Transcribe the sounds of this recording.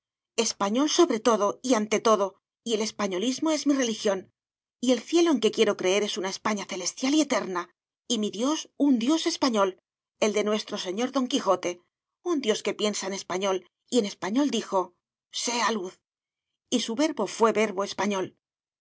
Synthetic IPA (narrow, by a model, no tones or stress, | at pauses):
e̞spaɲo̞lso̞βɾe̞t̪o̞ðo̞iant̪e̞t̪o̞ðo̞ | ie̞le̞spaɲo̞lizmo̞e̞zmire̞lixjo̞n | ie̞lθje̞lo̞eŋke̞kje̞ɾo̞kɾe̞e̞ɾe̞sunae̞spaɲaθe̞le̞st̪jalie̞t̪e̞ɾna | imiðjo̞sund̪jo̞se̞spaɲo̞l | e̞ld̪e̞nwe̞st̪ɾo̞seɲo̞ɾðo̞ŋkixo̞t̪e̞ | und̪jo̞ske̞pje̞nsaene̞spaɲo̞l | ie̞ne̞spaɲo̞ld̪ixo̞ | se̞aluθ | isuβe̞ɾβo̞fwe̞βe̞ɾβo̞e̞spaɲo̞l